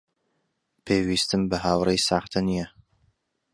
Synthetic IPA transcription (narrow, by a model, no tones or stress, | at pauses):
pʰeːwiːst̪ɨmbəɦaːwrejsaːχt̪ʰɨnijɛ